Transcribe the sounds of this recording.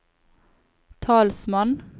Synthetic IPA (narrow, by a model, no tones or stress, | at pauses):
t̪ʰɑːlsmɑn